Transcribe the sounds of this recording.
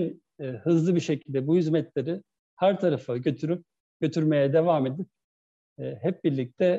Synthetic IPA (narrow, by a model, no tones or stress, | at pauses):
nː | hɯzlˠɯbiʃe̞cʰilʲd̪ɛbuhyzmɛt̪lʲeɾɪ | hæɾt̪ʰaɾafɯɟøt̪ʰyɾyp̚ | ɟ̥ø̞t̪ʰyɾme̞jɛd̪e̞vaːmed̪ip̚ː | hɛp̚biɾlʲic̚t̪ʰɛ